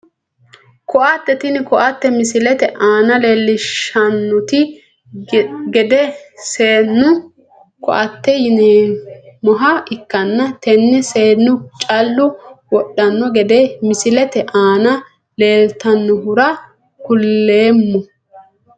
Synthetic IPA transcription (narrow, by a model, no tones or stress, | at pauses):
kɔʔat̪ːɛt̪ɪnɪkɔʔɐt̪ːɛmɪsɪlɛt̪ɛʔaːnɐleːlːɪʃɐnːʊt̪ɪ | ɡɛd̪ɛseːnːʊ | kɔ̰ʔɐt̪ːɛjɪneːmɔɦɐɪkːɐnːɐt̪ɛnːɛseːnːʊt͡ʃʼɐlːʊwɔɗːɐnːɔɡɛd̪ɛmɪsɪlɛt̪ɛʔaːnɐ | le̞ːlt̪ɐnːɔhʊɾɐ | kʊlːeːmːɔ